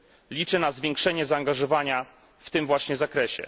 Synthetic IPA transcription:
lʲit͡ʂɘnazvʲjɛŋkʂɛɲɛzaːŋɡaʐɔvaɲa | ft̪ɘmvwaɕɲɛzakɾɛɕɛ̰

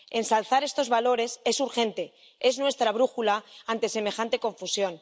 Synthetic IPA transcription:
e̞nsalθaɾe̞st̪o̞zβalo̞ɾe̞se̞suɾxe̞nt̪e̞ | e̞znwe̞st̪ɾaβ̞ɾuxulaant̪e̞se̞me̞xant̪e̞ko̞ɱfusjo̞n

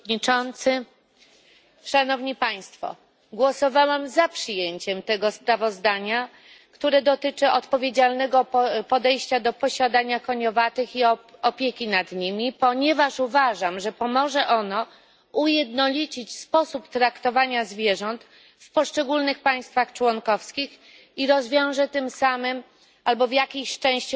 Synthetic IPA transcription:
it͡ʂɔnt̪sɘ | ʂanɔvɲipaj̃st̪fɔ̰ | ɡwɔsɔvawɛmzapʂɘjeɲt͡ɕɛmt̪ɛɡɔspɾavɔzd̪aɲa | kt̪uɾɛd̪ɔt̪ɘt͡ʂɘɔt̪pɔvʲjed͡ʑalnɛɡɔpɔd̪ɛjɕt͡ɕad̪ɔpɔɕad̪aɲakɔɲɔvat̪ɘxiɔɔpʲjekʲinad̪ɲimʲipɔɲɛvaʂuvaʐamʐɛpɔmɔʐɛʔɔnɔ | ujɛd̪nɔlʲit͡ɕit͡ɕspɔsupt̪ɾakt̪ɔvaɲazvʲjɛʐɔnt̪ | fpɔʂt͡ʂɛɡulnɘxpaj̃st̪faxt͡ʂwɔŋkɔfskʲix | iɾɔzvʲjɔ̃w̃ʐɛt̪ɘmsamɘm | albɔvjakʲijɕt͡ʂɛ̃w̃ɕt͡ɕu

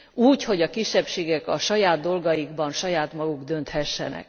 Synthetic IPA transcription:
uːcho̞ɟɒkiʃːɛpʃeːɡɛkɒʃɒjaːd̪d̪o̞lɡɒjiɡbɒnʃɒjaːt̪mɒɡuɡd̪ø̞nt̪hɛʃːɛ̰nɛ̰k̚

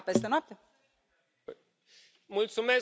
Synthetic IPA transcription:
pest̪enwap̚t̪e | mult̪sume

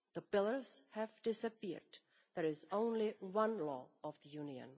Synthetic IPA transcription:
ðəpɪlˠə˞z̥hɨvdɪsɨpɪ̰ɹd | ðə˞ɪzõʊ̃nliwʌ̃nlɔʌvðəjũniɨ̰̃n

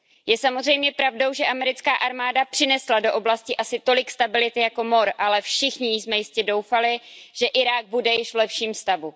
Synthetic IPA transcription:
jɛsamo̞zrɛjmɲɛpɾavdo̞wʒɛʔamɛɾɪt͡skaːʔaɾmaːdapr̥ɪnɛslado̞ʔo̞blascɪʔasɪt̪o̞lɪkst̪abɪlɪt̪ɪjako̞mo̞ɾʔalɛfʃɪxɲɪjsmɛjɪscɛdo̞wfalɪʒ̥ɛʔɪɾaːɡ̚budɛjɪʃvlɛpʃiːmst̪avu

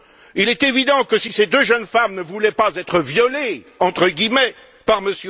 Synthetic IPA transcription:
ilɛt̪evid̪ɑ̃kəsised̪øʒənfamnəvulɛpazɛt̪χəvjɔle | ɑ̃t̪χəɡʲimɛ | paʁməsj

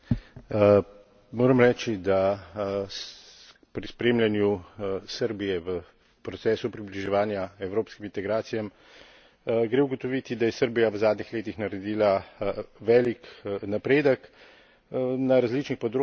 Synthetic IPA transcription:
moːɾɐmɾɛːt͡ʃid̪a | pɾispɾeːmlʲjanjusəɾbijɛʋə | pɾɔt̪sɛːsupɾibliʒɛʋaːnjaɛwɾoːpskimint̪ɛɡɾaːt̪sijam | ɡɾeʊɡɔt̪ɔʋit̪id̪ajɛsəɾbijaʋzaːd̪nixleːt̪ixnaɾɛd̪iːla | ʋɛːliknapɾeːd̪ək | naɾazliːt͡ʃnixpɔd̪ɾo

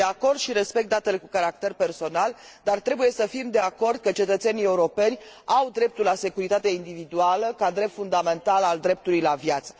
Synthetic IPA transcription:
eako̞rd̪ʃiɾe̞spekt̪̚d̪at̪e̞le̞kukaɾak̚t̪e̞rpe̞rso̞nal | d̪art̪ɾe̞buje̞səfimd̪e̞ako̞rd̪̚kət͡ʃe̞t̪ət̪senie̞uɾo̞pe̞nʲawd̪ɾe̞p̚t̪ulase̞kuɾit̪at̪e̞ind̪ivid̪ualəkad̪ɾe̞p̚t̪fund̪ame̞nt̪alald̪ɾe̞p̚t̪ulujlavjat̪sə̥

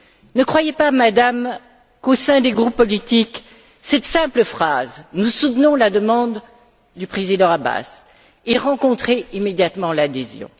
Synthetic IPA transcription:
nəkχwajepamad̪am | kosɛ̃d̪eɡʁupːɔlit̪ik | sɛt̪sɛ̃pləfχaznusut̪nɔ̃lad̪əmɑ̃d̪ː | ypχezid̪ɑ̃aba̰s | eʁɑ̃kɔ̃t̪χeimed̪jat̪mɑ̃lad̪ezjɔ̰̃

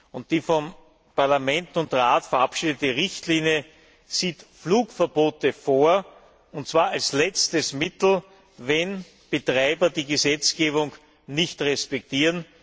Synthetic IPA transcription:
ʊnt̚d̥iːfɔm | paɐlamɛntʊntʁaːtfɐʔapʃiːdətəʁɪçtliːnjə | z̥iːtfluːkfɛɐboːtəfoːɐ | ʊnt̚t͡sv̥aːɐalslɛt͡stəsmɪtl̩ | vɛn | b̥ətʁaɪbɐdiːɡəzɛt͡sɡ̥eːβʊŋ | nɪçtʁɛspɛk̚tiːʁən

